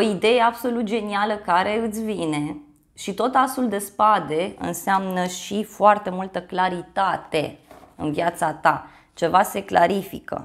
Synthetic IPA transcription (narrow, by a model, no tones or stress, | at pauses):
o̞id̪e̞je̞abso̞lut̪̚d͡ʒe̞nialəkaɾe̞ɨt̪sʲvine̞ | ʃit̪o̞t̪asuld̪e̞spad̪e̞ɨ̰nseamnəʃifoart̪e̞mult̪əklaɾit̪at̪e̞ɨ̰nviat̪sat̪a | t͡ʃe̞vase̞klaɾifḭkə̰